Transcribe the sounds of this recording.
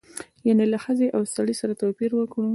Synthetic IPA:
janelaxəzeʔawsaɽisaɾat̪apiɾwəkɽu

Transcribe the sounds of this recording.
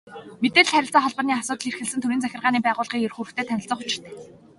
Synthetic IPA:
met̪eːɮχæɾʲɪ̆ɬt͡saːχɔɮpə̆niːasʊːt̪ə̆ɮirxɘ̆ɮsɘ̆nt̪ʰɵɾiːnt͡sæxʲɪ̆rʁaːniːpæːʁʊːɮʁiːkjerxuɾɘ̆t̪ʰeːt̪ʰænʲɪ̆ɬt͡sə̆χʊt͡ɕɪ̆r̥t̪ʰeː

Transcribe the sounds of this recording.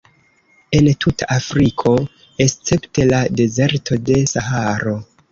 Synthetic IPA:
e̞ntʰutʰa̰ʔafɾikʰo̞ | e̞st͡se̞pte̞lade̞ze̞ɾtʰo̞de̞sahaɾo̞

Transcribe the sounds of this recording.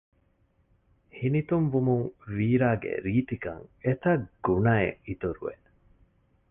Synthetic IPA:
hinit̪umʋumuŋʋiːɾaːɡḛɾiːt̪ikɐ̰ŋet̪ɐɡ̥unɐḛʔit̪uɾṵʋḛʔ

